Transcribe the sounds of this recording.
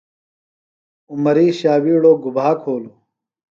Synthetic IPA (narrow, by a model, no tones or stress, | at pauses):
umɐɾiːɕaːwiːɽoːɡubʱaːkʰoːlu